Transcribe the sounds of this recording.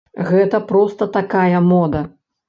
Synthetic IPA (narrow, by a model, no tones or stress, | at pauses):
ɣɛt̪ɐpɾɔst̪ɐt̪akajɐmɔd̪ɐ